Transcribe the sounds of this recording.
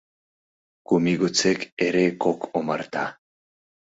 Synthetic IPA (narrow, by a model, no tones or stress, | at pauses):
kumiɣut͡sekeɾekokʰomaɾt̪a